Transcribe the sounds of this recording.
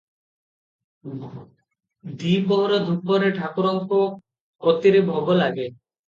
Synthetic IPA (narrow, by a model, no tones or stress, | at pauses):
d̪ibɔɦɔɾɔd̪ʱuk̚pɔɾeʈʰakuɾɔŋko | pɾɔt̪iɾebʱɔbolaɡe